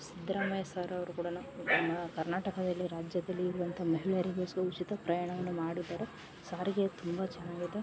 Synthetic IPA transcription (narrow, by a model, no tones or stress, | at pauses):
sid̪ɾɐmɐjɐsaːɾɐʋɐɾukuːɽɐnunɐmːɐkɐɾnaːʈɐkɐd̪ɐlːiɾaːd͡ʒjɐd̪ɐlːiːɾuʋɐnt̪ʰɐmɐɦiɭɐɾiɡeːsɡeut͡ʃit̪ɐpɾɐjaːɳɐʋɐnːumaːɽid̪ːaːɾe | saːɾiɡet̪umbɐt͡ʃɐnːaːɡid̪e